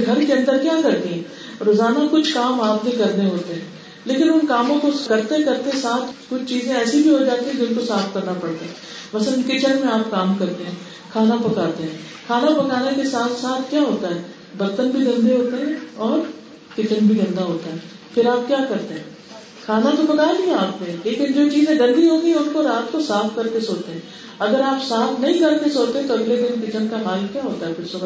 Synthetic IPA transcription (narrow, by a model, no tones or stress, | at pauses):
ɡʱɐɾkeɐ̃nd̪əɾkjaːkɐɾt̪eɦɛ̃ː | ɾoːzaːnakʊt͡ʃʰkaːmaːpnẽkɐɾd̪eɦoːt̪eɦɛ̃ː | leːkɪnʊnkaːmõkokɐɾt̪eɦɛ̃kɐɾt̪eɦɛ̃saːt̪ʰkʊt͡ʃʰt͡ʃiːzẽɛːsibʱiɦod͡ʒaːt̪eɦɛ̃d͡ʒɪʊnkosaːfʰkɐɾnapɐɽt̪aɦɛ̃ | mɐsələnkɪt͡ʃənmẽaːp̚kaːmkɐɾt̪eɦɛ̃ː | kʰaːnapɐkaːt̪eɦɛ̃ː | kʰaːnapɐkaːnekesaːt̪ʰsaːt̪ʰkjaːɦoːt̪aɦɛː | bɐɾt̪ənbʱiɡɐ̃nd̪ʱeɦoːt̪eɦɛ̃ɔːɾ | kɪt͡ʃənbʱiɡɐ̃nd̪aɦoːt̪aɦɛː | pʰɪɾaːp̚kjaːkɐɾt̪eɦɛ̃ː | kʰaːnat̪opɐkaːenĩaːpnẽleːkɪnd͡ʒoːt͡ʃiːzẽɡɐ̃nd̪ʱiɦoːt̪iɦɛ̃ʊnkoɾaːt̪̚kosaːfkɐɾkesoːt͡ʃt̪eɦɛ̃ː | ɐɡəɾaːpsaːfʰnɐɦĩkɐɾk̪esoːt̪eɦɛ̃t̪oɐɡled̪ɪnkɪt͡ʃənkaɦaːlkjaːɦoːt̪aɦɛpʰɪɾsʊb